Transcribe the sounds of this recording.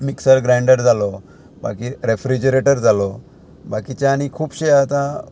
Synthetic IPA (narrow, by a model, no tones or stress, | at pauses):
miksəɾɡɾãɳɖəɾd͡zalɔ | ba̰kiɾefɾid͡ʑəɾeʈəɾd͡zalɔ | bakit͡ɕaːɽ̃ikʰuːpɕeat̪a